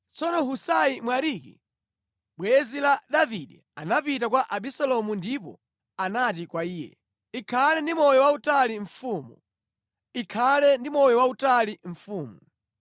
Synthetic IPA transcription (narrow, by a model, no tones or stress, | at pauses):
t͡sɔnɔɦusajimwaɾikḭ | ɓwɛzilaɗaviɗi | anapitakwaʔaɓisɛlɔmundipɔ̰ | anatikwaiːjɛ̰ | ikʰalɛndimɔjɔwautaliɱfuːmu | ikʰalɛndimɔjɔwautaliɱfuːmu